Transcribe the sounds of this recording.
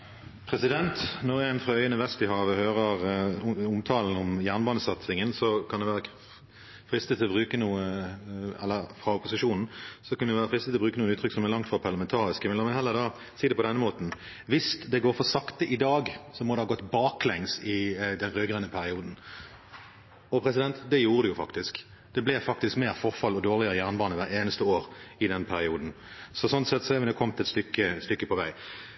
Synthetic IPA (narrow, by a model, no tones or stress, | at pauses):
pʰʁɛsɪd̪ɛnt̪nɔʁɛnfɾɑœʏənəʋɛst̪ɪɦɑːʋəhøːʁəʁʊmt̪ʰɑːln̩ɔmjæːʁnbɑːnəsɑt̪sɪŋənsɔkʰɑnd̪ɛʋæːʁə | fɾɪst̪ət̪ʰɪlɔbʁʉːkənuːə | ɛ̰lːəfɾɑʊpʊsɪʂuːnn̩sɔkʰɑnd̪ɛʋæːʁəfʁɪst̪ət̪ɪɔbʁʉːkənuːəʉːt̪ʰʁʏkːsɔmɛlɑŋt̪fʁɑpʰɑʁlɑmɛnt̪ʰɑːʁɪskəmɛlɔmɛnhɛlːəd̪ɑː | siːd̪ɛpʰɔd̪ɛnːəmoːt̪n̩ | ʋɪsd̪ɛɡoːɾfɔsɑkt̪əʔɪd̪ɑːɡsɔmɔd̪ɛhɑːɡɔt̪ːbɑːklɛŋsɪd̪ɛnʁøːɡʁɛnːəpʰæɾɪuːd̪n̩ | ɔpʰɾɛsɪd̪ɛnt̪d̪ɛjuːʁəd̪ʉjʊfɑ̰kt̪ɪsk | d̪̥ɛblɛfɑk̚t̪ɪskmeːʁfɔʁfɑlːɔd̪oːʁlɪəʁəjæːʁnəbɑːnəʋæeːnəst̪əoːʁɪd̪ɛnpʰæɾɪuːd̪n̩ | sɔsɔnt̪sɛt̪ːsɔɛʋɛnokʰɔmt̪ɛt̪st̪ʏkːəst̪ʏkːəpʰɔʋæɪ